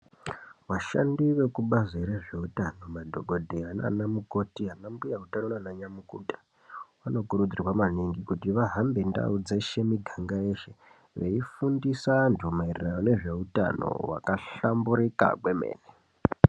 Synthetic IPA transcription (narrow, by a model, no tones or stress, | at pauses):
ʋaʃa̰ndiʋe̞kuɓazeɾe̞ʐe̞utano̞madʱo̞ɡʱo̞dʱeɦana̰namuko̞tiɦanambujautanonanaɲamukutḁ | ʋano̞kuɾud͡zirwamaniŋɡikutiʋaɦambe̞nda̰ud͡ze̞ʃe̞miɡʱaŋɡae̞ːʃe̞ | ʋe̞̰ifundisantʰumairiranone̞ʐe̞uta̰no̞̰wa̰kaɬambuɾika̰kwe̞mḛːne